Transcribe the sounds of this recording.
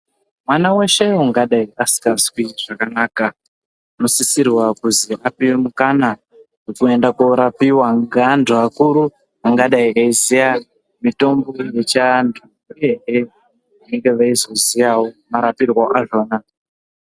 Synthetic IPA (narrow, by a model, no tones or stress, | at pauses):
mwanawe̞ʃeuŋɡaɗaiasi̥kaswiʐ̥akanaːka | no̞sisirwakuziʔapiwemukana | ʐekue̞ndakoɾapiwaŋɡandʱuakuɾu | aŋɡaɗaiaizija | mito̞mbo̞je̞t͡ʃandʱu | ureɦe | ane̞ŋɡe̞ʋaizo̞zijawomaɾapirwaʔaʐona